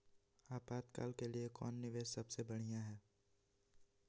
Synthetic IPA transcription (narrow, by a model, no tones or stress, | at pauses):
aːpaːd̪ka̰ːlkeliekɔ̰ːnːɪʋeːʃsɐbsebɐɽ̤ijãɦɛː